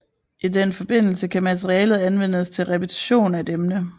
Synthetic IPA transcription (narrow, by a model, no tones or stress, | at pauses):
ʔidenfɒ̽b̥e̝n̰l̩səkʰæmæt͡sʰeʁiɛːlð̩ˠænʋen̰əst͡sʰe̝lʁɛpʰet͡sʰi̥ɕo̝̰ːnæedemnə